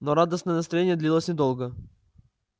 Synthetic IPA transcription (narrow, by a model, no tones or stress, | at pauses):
noɾad̪əsnəjənəst̪ɾɐjenʲjəd̪lʲilˠəsʲnʲɪd̪olˠɡə